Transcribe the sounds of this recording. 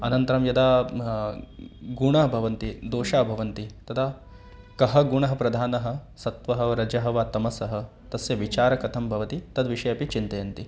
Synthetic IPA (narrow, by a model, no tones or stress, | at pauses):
ɐnɐnt̪ɐɾɐmjɐd̪aː | ɡuɳɐɦɐbʱɐʋɐnt̪id̪oːʃaːbʱɐʋɐnt̪it̪ɐt̪ʰaː | kɐɦɐɡuɳɐɦɐ̆pɾɐd̪ʱaːnɐɦɐ̆sɐt̪ʋɐɦɐɾɐd͡ʒɐɦɐʋaːt̪ɐmɐsɐɦɐ̆ | t̪ɐsjɐʋit͡ʃaːɾɐkɐt̪ʰɐmbʱɐʋɐt̪it̪ɐd̪ʋiʃɐjɐpit͡ʃint̪ɐjɐnt̪i